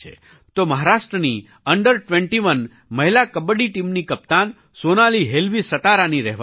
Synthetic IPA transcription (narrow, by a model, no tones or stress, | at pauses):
ḛ | t̪oməɦaɾaʃʈɾəni | əɳɖəɾʈʋɛ̃ɳʈiʋən | məɦilakəbəɽiʈimnikəp̚t̪an | sonaliɦelʋisət̪aɾaniɾɛɦʋ